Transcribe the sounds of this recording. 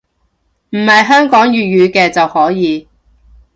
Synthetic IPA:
m̩˨˩hɐ˨jɦœː˥ŋkɔː˨˥ŋjyː˨jyː˨˧kɛː˧t͡sɐ˨whɔː˨˥jiː˨˧

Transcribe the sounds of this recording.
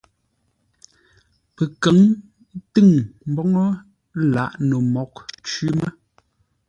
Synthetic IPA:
pə˨kə˨˦ŋ˦ | tɨ˦˨ŋm̩˦bɔ˦ŋɔ˦ | la̰˨˦˨ʔno˨mɔ˨k̚t͡ʃɥi˦mə˦

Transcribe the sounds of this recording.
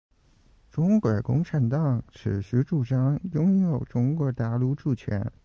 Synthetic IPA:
ʈ͡ʂʊ˥ŋkwɛ˨˩kʊ˥ŋʈ͡ʂʰa˧˥nt̪ɑ˨˩ŋʈ͡ʂʰɻ̩˨˩ɕy˧˥ʈ͡ʂu˥˩ʈ͡ʂɑ˥ŋjʊ˥ŋjo˨˩ʊʈ͡ʂʊ˧˥ŋkwɔ˧˥t̪a˥˩lu˥˧ʈ͡ʂu˥˩t͡ɕʰɥɛ̰˧˥n

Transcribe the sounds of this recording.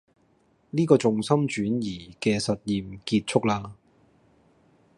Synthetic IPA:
niː˥kɔː˧t͡sʊ˨ŋsɐ˥mt͡ʃyː˨˥njiː˨˩kɛː˧sɐ˨t̚jiː˨mkiː˧t̚t͡ʃʰʊ˥k̚laː˧

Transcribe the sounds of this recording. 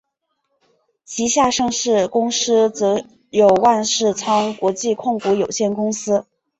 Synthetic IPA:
t͡ɕʰi˧˥ɕja˥˧ʂɤ˥˧ŋʂɻ̩˥˩kʊ˥ŋsɹ̩˥t͡sɤ˧˥ | jo˨˩ʊwa˥˧nʂɻ̩˥˩t͡sʰɑ˥ŋkwɔ˧˥t͡ɕi˥˧kʰʊ˥˩ŋku˧˥jo˨˩ʊɕjɛ˥˩nkʊ˥ŋsɹ̩˥

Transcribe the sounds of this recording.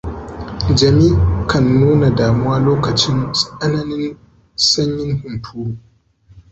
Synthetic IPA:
d͡ʒɐ˨miː˦kʰɐ˨nːuː˦na˨daː˨mʊ˦waː˦loː˦kɐ˨t͡ʃɪ˦nsʼʔɐ˦nɐ˦nɪ˦n | sɐ˦ɲjɪ˦nhʊ˨ntʰuː˦

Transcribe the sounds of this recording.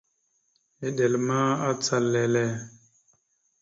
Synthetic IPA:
e˨ɗe˨lma˦a˦t͡sa˨lːɛ˨lɛ˦˨

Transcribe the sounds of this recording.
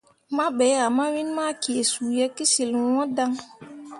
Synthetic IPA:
ma˦ɓɛ˨˦a˨ma˦wi˦nma˦ki˨e˨su˨jɛ˦ki˦si˨lwɔ̃˦da˦ŋ

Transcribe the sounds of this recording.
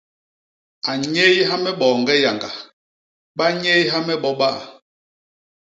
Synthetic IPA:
a˨ɲe˦jɦa˦mɛ˦ɓɔː˨ŋɡɛ˦ja˨ŋɡa˨ | ɓa˦ɲe˦jɦa˦mɛ˦ɓɔ˦ɓa˦ʔa̰˨

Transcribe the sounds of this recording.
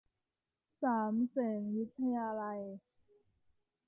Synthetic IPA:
saː˩˦msɛː˩˦ŋwi˦˥t̪ʰːa˧jaː˧la˧j

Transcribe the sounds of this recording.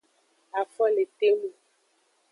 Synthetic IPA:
a˨fɔ˦le˨t̪e˦mu˨

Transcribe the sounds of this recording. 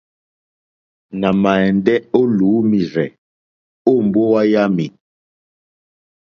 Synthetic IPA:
na˨ma˨ɛ˨ndɛ˦o˦luː˨˦mi˨ɾɛ˨ | o˦˨m˨bo˦wa˦ja˦mi˨

